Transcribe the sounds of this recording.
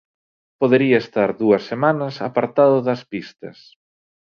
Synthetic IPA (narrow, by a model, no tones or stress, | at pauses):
poðeɾiɐest̪aɾðuɐsːemanɐsapaɾt̪aðʊðɐspist̪ɐ̰s